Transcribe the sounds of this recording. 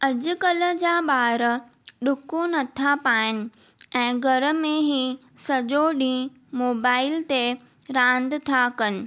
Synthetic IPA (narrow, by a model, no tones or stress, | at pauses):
ɐd͡ʑʊ̆kɐlə̆d͡ʑaːɓaːɾə | ɗʊkonɐt̪ʰapaːɪnɪ̆ | ɛ̃ːɡʱɐɾə̆mẽɦiː | sɐʄoɗĩː | moːbaːɪlt̪e | ɾãːn̆d̪t̪ʰakɐnɪ̆